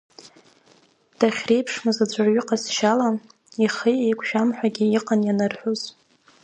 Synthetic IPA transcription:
d̥aχʲre̞jpʰʂmazad͡ʒʷarɥʏqʼasʃala | iχijejkʷʰʃᶣamħʷᶣaɡʲiiqʼanjanarħʷuz̥

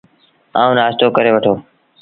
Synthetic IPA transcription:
a̰ːũːnaːst̪oːkəɾeːʋəʈʰoː

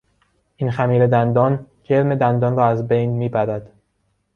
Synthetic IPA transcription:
ʔinxæmiːɾe̞d̪ænd̪ɒːn | ɟeɾme̞d̪ænd̪ɒːnrɒːæzbejnmiːbæɾæd̪̥

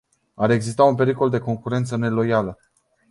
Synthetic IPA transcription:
aɾe̞ɡzist̪aunpe̞ɾiko̞ld̪e̞ko̞ŋkuɾe̞nt̪səne̞lo̞jalə

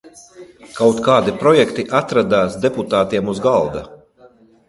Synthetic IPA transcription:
kawt̪kaːd̪ipɾɔjɛkt̪iʔat̪ɾad̪aːsd̪eput̪aːt̪iɛmuzɡalˠd̪a̰

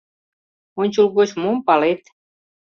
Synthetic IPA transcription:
onʲt͡ɕulɣot͡ɕmompɑlet̪

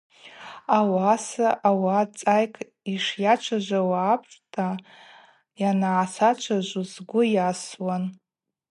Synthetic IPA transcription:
awasaʔawat͡sʼajkʼʰ | iʂjat͡ʃʷʰaʒʷawaːpʰʼrtʰa | janaʕːsat͡ʃʷʰaʒʷuzɡʷʊjaswan

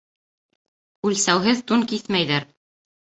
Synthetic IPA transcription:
ʉlsæwɦɘðt̪uŋkiθmæjðæɾ

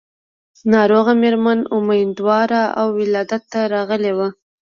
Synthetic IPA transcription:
nɑɾoɣameɾmanʊmajnd̪wɑɾaa̰wːɪlɑd̪at̪ːaɾɑɣəlewa

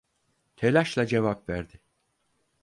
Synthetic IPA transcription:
t̪ʰelʲaʃlˠad͡ʒe̞vapvæɾd̪ɪ

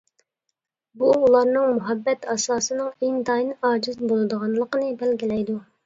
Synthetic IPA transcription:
buːlˠɑɾnɨŋmuɦɛbːɛt̪ɑsɑːsɨnɨŋeŋd̪ɑjnɨɑːd͡ʒɪzbolˠɨd̪əʁɑnlˠəqənɨbɛlɡʲilɛjd̪u

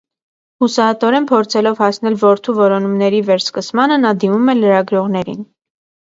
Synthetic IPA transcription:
husɑɦət̪ɔɾɛnpʰɔɾt͡sʰɛlɔvhɑsn̪ɛlvɔɾt̪ʰuvɔɾɔnumnɛɾivɛɾskəsmɑnənɑd̪imumɛləɾɑɡɾɔʁn̪ɛɾḭn

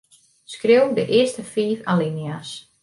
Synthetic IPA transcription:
skrɪwdəʔɪəstəfiːfalinias

